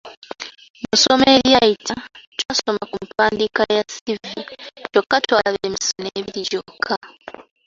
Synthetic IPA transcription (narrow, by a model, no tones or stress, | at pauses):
muso̞me̞ːɾjajitʰatwaso̞makumupʰaːndikajasivut͡ʃo̞kːatwaaβeːmisoneːβiɾiɟo̞kʰːa